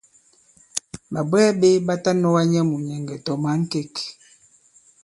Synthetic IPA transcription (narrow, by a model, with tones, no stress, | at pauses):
ba˨bɛː˦be˦ba˦ta˦nɔ˦wa˦ɲɛ˦mu˨ɲɛ˨ŋɡɛ˨tɔ˨ma˨˦ŋ̩˦ke˦˨k